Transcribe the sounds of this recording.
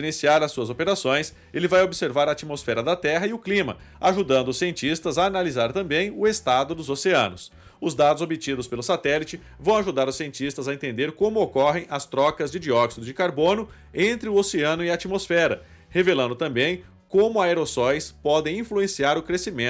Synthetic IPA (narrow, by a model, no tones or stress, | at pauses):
inisiaɾɐsːuɐzopeɾasõj̃s | elɪvajobɪseɾvaɾɐat͡ʃimosfɛɾɐd̪ɐt̪ɛɦɐiʊklĩmɐ̰aʒud̪ɐ̃nd̪ʊʊsːiẽnt͡ʃist̪ɐzaːnalizaɾt̪ɐ̃mbẽj̃ʊest̪ad̪ʊd̪ʊzoseɐ̰̃nʊs | ʊzd̪ad̪ʊzobit͡ʃid̪ʊspelʊsat̪ɛlit͡ʃɪ | vɐ̃w̃aʒud̪aɾʊsiẽnt͡ʃist̪ɐzɐẽnt̪ẽnd̪eɾkõmʊokɔɦẽj̃ɐst̪ɾɔkɐzd͡ʒɪd͡ʒiɔksid̪ʊd͡ʒɪkaɾbõnʊ | ẽnt̪ɾɪʊoseɐ̃nʊɪat͡ʃimosfɛɾɐ | hevelɐ̃nd̪ʊt̪ɐ̃mbẽj̃ | kõmʊaeɾosɔjspɔd̪ẽj̃ĩfluẽsiaɾʊkɾesimẽ